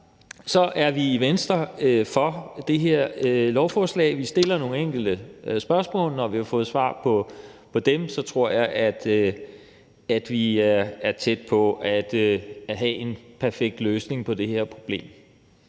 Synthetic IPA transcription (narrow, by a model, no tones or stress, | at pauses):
sɒ̽ʔæɐʋiiʋensd̥ʁɐfɒ̽d̥e̝ɦeɐ̰ølɒʊfɒːslɛ̰ːɪʋisd̥e̝lɐno̝ːŋ̩eŋ̰ɡ̥l̩d̥əsb̥ɶɐsmɔ̰̽ːlnɒʋihɑ̈fɔ̽ːð̩ˠsʋɑ̰̈ːpʰɒ̽pʰɒ̽d̥emsɒ̽t͡sʰʁo̝ɐ̰jɑ̈ɪʔæd̥ | æd̥ʋiæɐæɐt͡sʰed̥̚pʰɒ̽æd̥ɦæʔe̝npʰæɐfeɡ̥̚d̥løːsne̝ŋpʰɒ̽d̥e̝heɐ̰pʰʁo̝b̥le̝̰ːm